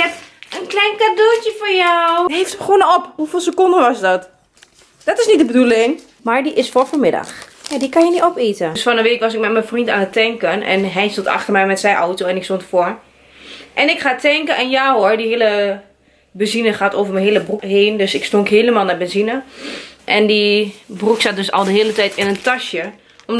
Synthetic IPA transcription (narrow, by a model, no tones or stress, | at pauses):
ɛtənklɛjnkadultjəfɔɹjawɦeftbəxonəɔphufiːlˠsəkʊndəʋɔsdɔt | d̥ɔtɪsnit̚dəbədulɪŋ | maɹdiʔɪsforfoɹmɪda̰xjadikanjəniɔpitəsfɔnəʋeːkʋɔs̬ɪk̚mɛtmɛnfrintaːnətːɛŋkənʔɛ̰nɦɛjstonta̰xtərmɛjmɛtsɛjʔɔwtoɛnɪkstontfɔɹ | ʔɛnɪkχaːtʰɛŋkəɛnjaːɦoɹdiheːələ | bəzinəxaːtoːvərmənɦeːləbrukɦeːndøsɪkstoŋkɦeːləmaːlˠnabɛnzinəʔɛndibruksat̚døsɔ̰lˠdəɦeːlətɛjtɪnəntaʃjə | ɔm